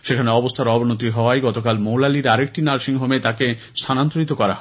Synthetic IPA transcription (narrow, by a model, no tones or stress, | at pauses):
ʃekʰaneɔbost̪ʰaɾɔbʱonot̪̬iɦɔaeɡɔt̪okalmowlaliɾaɾek̚ʈinaɾʃiŋɦomet̪ake | st̪ʰanant̪oɾit̪okɔɾa̰ɦɔ